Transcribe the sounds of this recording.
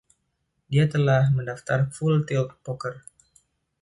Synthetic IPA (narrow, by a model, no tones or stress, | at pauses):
diat̪əlahməndaft̪arfult̪iɔp̚pɔkər